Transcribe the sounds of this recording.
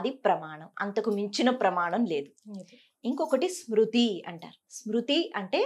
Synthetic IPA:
ɐd̪ipɾɐmaːɳɐmɐ̰nt̪ɐkumiɲt͡ʃinɐpɾɐmaːɳɐmle̞ːd̪u | iŋkɔkɐʈismɾut̪iɐ̰ɳʈa̰ːɾusmɾut̪iɐɳʈe̞ː

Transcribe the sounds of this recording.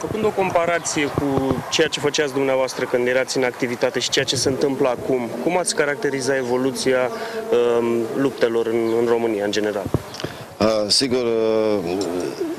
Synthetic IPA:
fəkɨnd̪o̞ko̞mpaɾat̪sije̞kut͡ʃe̞jat͡ʃe̞fət͡ʃat̪ʲd̪umneavoast̪ɾəkɨnd̪jeɾat̪sʲɨnakt̪ivit̪at̪e̞ʃi̥t͡ʃejat͡ʃe̞seɨnt̪ɨmpləakumkumat̪sʲkaɾak̚t̪e̞ɾizat̪e̞vo̞lut̪sijaəlup̚t̪e̞lo̞ɾɨnɨnro̞mɨnijaɨnd͡ʒe̞ne̞ɾal | əsiɡur

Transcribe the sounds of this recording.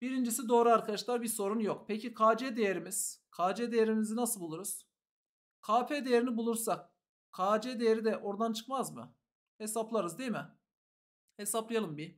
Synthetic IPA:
b̥iɾind͡ʒisid̪o̞ːɾuaɾkʰad̪aʃlˠaɾbiɾso̞ɾunjokpʰecikʰaːd͡ʒed̪ejeɾimiz̥kʰaːd͡ʒed̪ejeɾimizinasɯlˠbulˠuɾuz̥ | kʰaːpʰed̪ejeɾinibulˠuɾsak̚ | kʰːaːd͡ʒed̪ejeɾid̪ɛʔo̞ɾd̪ant͡ʃʰɯ̥kmazmɯ̰ | he̞saplˠaɾɯzd̪eimɪ | hesaplˠɯjalˠɯmbi

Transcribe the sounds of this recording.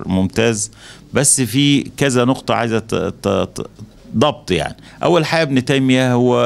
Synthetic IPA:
momt̪æːz | bæsːfiːkæzænoqt̪ˤɑʕa̰jzæ | d̪ˤɑb̚t̪ˤja̰ʕni | ʔæ̰wːælħaɡæbnet̪æjmijæhowːæ

